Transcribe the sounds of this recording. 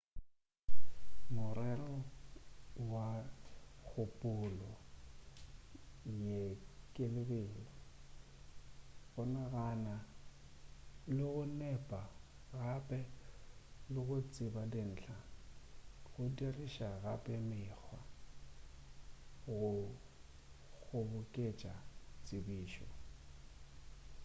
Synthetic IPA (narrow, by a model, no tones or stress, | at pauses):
mʊrɛrɔ | wa | ɣʰʊpʼʊlɔ | jekʼɪlɪbeːlɔ | bɔnaɣana | lɪɣʊnɛpʼa | ɣapʼɛ | lɪɣʊt͡sʼɪbadɪn̩ːt͡ɬʰa | ɣʊdirɪʃaɣapʼɛmɪɣʰwa | ɣʊ | ɣʊbʊkʼet͡ʃʼat͡sʼɪbiːʃɔ